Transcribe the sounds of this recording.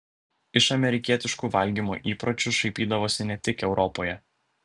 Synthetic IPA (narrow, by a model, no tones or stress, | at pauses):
ɪʃɐmʲɛɾʲɪkʲiɛt̪ʲɪʃkuːʋɐlʲɡʲiːmo̰ːʔiːpɾɔt͡ʃʲʊʃɐɪpʲiːd̪ɐʋoːsʲɪnʲɛt̪ʲɪkɛʊɾʔɔpoːjɛ